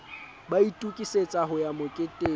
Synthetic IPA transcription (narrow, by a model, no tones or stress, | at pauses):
baitʼukʼiset͡sʼaɦʊjamʊkʼetʼeː